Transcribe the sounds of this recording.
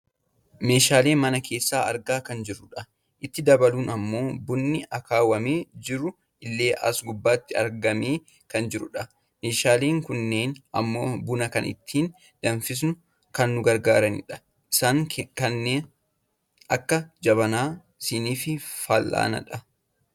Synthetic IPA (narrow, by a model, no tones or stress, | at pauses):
me̞ːʃaːle̞ːmɐnɐkʰe̞ːsːaːɐɾɡaːkɐnd͡ʒɪrʊᶑɐ | ʔɪt̪ːɪd̪ɐbɐluːnɐmːo̞ːbʊnːɪʔɐkaːwɐme̞ːd͡ʒɪɾʊ | ɪlːe̞ːʔɐ̰sɡʊbːaːt̪ːɪɐ̰ɾɡɐmeː | kɐnd͡ʒɪɾʊᶑɐ | me̞ːʃaːle̞ːŋkʊnːe̞ːnʔɐ̰mːo̞ːbʊnɐkɐnɪ̰t̪ʰːiːn | d̪̥ɐnfɪs̬nʊ | kɐnːʊɡɐɾɡaːɾɐnɪ̰ᶑɐ̥ | ʔɪsaːŋkɐnːeːn | ɐkːɐd͡ʒɐβɐnaː | sɪniːfɪfɐlʔa̰ːnɐ̰ᶑɐ